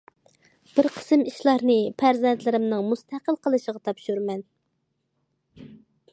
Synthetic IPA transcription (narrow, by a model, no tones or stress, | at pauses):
b̥ɪɾqʰə̥sɨmiʃlˠɑɾnɨpʰæɾzɛnt̪ʰlɪɾɪmnɨŋmust̪æqəlˠqəlˠɨʃəʁɑt̪ʰɑpʃuɾmɛn